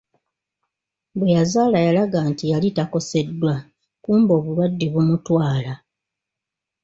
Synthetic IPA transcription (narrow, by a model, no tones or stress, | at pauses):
bwe̞jazaːlajalaɡaːntijalitako̞se̞dːwa | kuːmbo̞ːβulwadːiβumutwaːla